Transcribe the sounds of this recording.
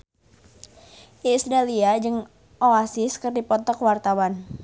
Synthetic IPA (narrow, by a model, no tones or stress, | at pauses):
ʔisɾaliad͡ʒəŋ | ʔɔasɪskɨrdipɔt̪ɔkwart̪awan